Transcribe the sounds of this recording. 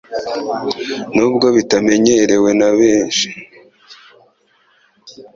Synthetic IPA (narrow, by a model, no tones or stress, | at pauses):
nuːb̚ɡo̞βitame̞ɲeɾe̞we̞naβeːʃi̥